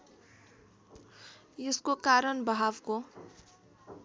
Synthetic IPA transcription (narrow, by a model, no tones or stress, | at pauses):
eskokaɾʌnbʌɦabko